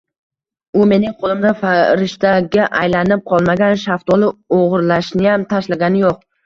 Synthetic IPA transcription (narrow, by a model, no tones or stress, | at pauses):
ʊme̞nɪŋqʰolˠɪmd̪afaɾɪʃt̪aɡʲaʔajlanɪp̚qʰɒlˠmaɡʲanʃaft̪ɒlˠɪoʁɨɾlaʃnɪjamt̪ʰaʃlaɡʲanɪjoq̚